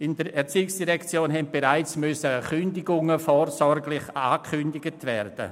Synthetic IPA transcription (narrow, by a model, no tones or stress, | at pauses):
ɪndəɾɛɾt͡siːɪksd̥iʁɛkt͡sjoːnɦɛnt̚b̥eʁaɪt͡smʏsəχʏndɪɡʊŋəfoːɾsɔɾɡlɪχaːkʰʏndɪɡətʰvɛːɾd̥ə̰